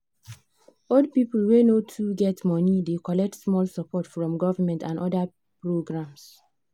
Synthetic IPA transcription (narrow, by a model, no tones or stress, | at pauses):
old̚pipəlwenotʰuɡɛtmɔnidekɔlɛk̚tsmɔlsəpɔtfɹɔ̃mɡɔvəmɛ̃ntãndʔɔda | pɹoɡɹãms